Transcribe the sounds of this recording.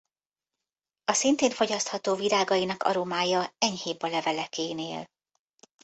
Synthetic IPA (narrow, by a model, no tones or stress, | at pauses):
ɒsint̪eːnɱfo̞ɟɒst̪hɒt̪oːviɾaːɡɒjinɒkɒ̰ɾomaːjɒɛɲheːbɒlɛvɛlɛkeːnḛːl